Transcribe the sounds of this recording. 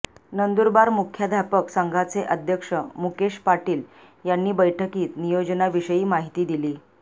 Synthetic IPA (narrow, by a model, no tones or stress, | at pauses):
nənd̪uɾbaɾmukʰjəd̪ʱapəksaŋɡʱat͡seʔəd̪ʱjəkʂəmukeʂpaʈiːl | janːiːbəjʈʰəkiːt̪nijod͡ʑnaʋiʂəjiːmaɦit̪iːd̪iliː